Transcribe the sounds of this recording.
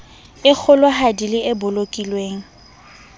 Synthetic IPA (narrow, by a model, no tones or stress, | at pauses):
ɪk͡xʰʊlʊɦadilɪɪbʊlokʼilweːŋ̩